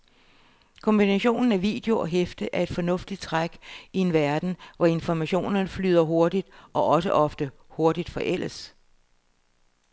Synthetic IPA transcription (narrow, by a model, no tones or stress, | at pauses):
kʰɒ̽mb̥inæɕo̝̰ːnn̩æʋḭːd̥e̝o̝ɒ̽ɦefd̥əʔæɐe̝d̥fɒ̽nɔ̽fd̥id̥̚t͡sʰʁaɡ̥ie̝nʋæɐd̥n̩ʋɒe̝nfɒmæɕo̝̰ːnɐnəfly̰ːð̞̰ˠɐɦo̝ɐd̥id̥ʔɒ̽ʔɒ̽səʔɒ̽fd̥ə | ho̝ɐd̥id̥fɒ̽ʔel̰əs